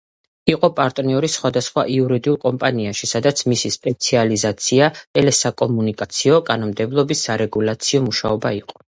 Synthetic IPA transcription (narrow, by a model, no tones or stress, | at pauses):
iqʼɔpʼaɾt̪ʼniɔɾisχwad̪asχwa̰ʔiuɾid̪iulˠkʼɔmpʼaniaʃisad̪at̪sʰmisispʼɛt̪sʰializat̪sʰiaɛlɛsakʼɔmunikʼat̪sʰiɔkʼanɔmd̪ɛblˠɔbisːaɾɛɡulˠat̪sʰiɔmuʃaɔbaiqʼɔ̥